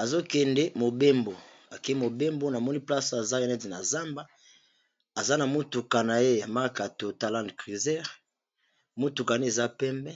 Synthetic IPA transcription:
a˨zo˦kɛ˨nde˦mo˨be˦mbo˨ | a˨ke˦mo˨be˦mbo˦na˨mɔ˦ni˦pla˦sa˨za˦kɛ˦nɛ˦ti˨na˨za˦mba˦ | a˨za˦na˨mu˦tu˨ka˨na˨e˦a˨ma˦ka˨to˨ta˨lã˦ndkʁi˨zɛ˦ʁ | mo˦tu˨ka˨ne˦e˨za˦pɛ˦mbɛ˦

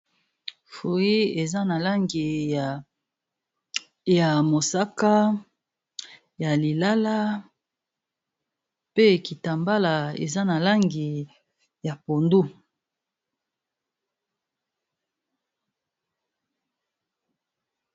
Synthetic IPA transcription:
fo˨i˦e˨za˦na˨la˦ŋɡi˨ | ja˨mo˨sa˦ka˦ | ja˨li˨la˦la˦ | pe˦ki˨ta˨mba˦la˨ḛ˨za˦na˨la˦ŋɡi˨ | ja˨po˨ndu˦

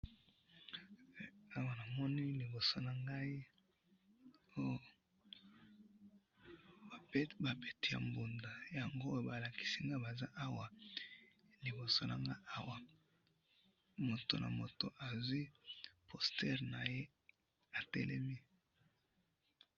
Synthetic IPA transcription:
a˦wa˨na˨mɔ˦ni˦li˨bo˨so˦na˨ŋɡa˦i˦ | o˦jo˦˨ | ba˨pe˦ba˨be˨ti˨ja̰˨mbu˨nda˨ja˨ŋɡo˦jo˦˨ba˨la˨ki̥˨si˦ŋɡa˦i˦ba˨za˦ʔa˦wa˨ | li˨bo˨so˦na̰˨ŋɡa˦i˦ʔa˦wa˨ | mo˨to̰˨nʔa̰˨mo˨to˨ʔa˨zwi˦pʰo˨stɛ˦ʁna˨je˦ | a˨tɛ̰˦lɛ˦mi˦

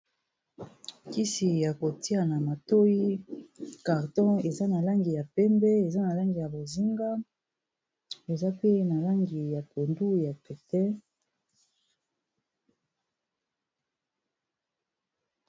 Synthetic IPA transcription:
ki˦si˨ja˨ko˨ti˦a˨na˨ma˨to˦ji˦ | ka˨ʁtɔ̃˦e˨za˦na˨la˦ŋɡi˨ja˨pɛ˦mbɛ˦e˨za˦na˨la˦ŋɡi˨ja˨bo˨zi˦ŋɡa˦ | e˨za˦pe˦na˨la˦ŋɡi˨ja˨to˨ndu˦ja˨pɛ˨tɛ˦

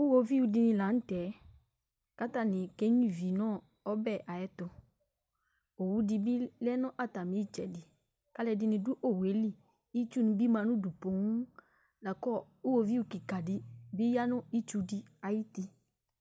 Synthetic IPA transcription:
ʊ˦wo˦vi˦wu˨dɪ˧nɪ̃˧la˨˦n̩˦tɛ˨˦ | ka˦ta˦˨nɪ̃˨ke˦ɲĩ˦˨vi˨nɔ̃˦˨ | ɔ˦bɛ˦˨ʔa˨jɛ˦tʊ˨ | o˨wu˦dɪ˨bɪ˦lɛ˦nʊ̃˦ʔa˦˨ta˨mĩ˨˦t͡ʃɛ˨dɪ˨ | ka˦lɛ˨dɪ˦nɪ̃˨dʊ˦ʔo˦we˨˦li˦ | i˦t͡ʃu˦nʊ̃˨bi˦mã˨nʊ̃˦du˨po˨˦ŋ˦ | la˨kɔ˦˨ | ʊ˦wo˦vi˦wu˦ki˨ka˨dɪ˦bɪ˦ja˦nʊ̃˦i˦t͡ʃu˦di˦a˨ji˦ti˨

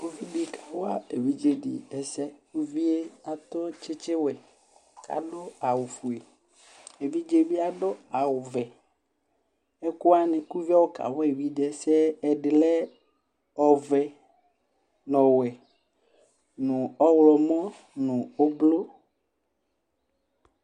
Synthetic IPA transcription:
o˦vi˦bi˨kʰa˨wɔ˦a˦e˨vi˦d͡ʒe˦ɖḭ˨ɛ˨sɛ˦ku˦vi˦e˦a˨t̪ɔ˦t͡ʃɪ˦t͡ʃɪ˦wɛ˨ | kʰa̰˨ɖʊ˦a˨wu˨fu˨e˨ | e˨vi˦d͡ʒe˦bi˦a˨ɖʊ˦a˨wʊ˨vɛ˨ | ɛ˦ku˦a˦nɪ̃˨ku˦vi˦ɔ˦wo˦ka̰˨wɔ˦e˨wi˦dɛ˦sɛ˦ɛ˨ɖɪ˨lɛ˦ | ɔ˨vɛ˨ | nɔ̃˨wɛ˨ | nũ˨ɔ˦wlɔ˨mɔ̃˦ | nũ˨o˦blo˦

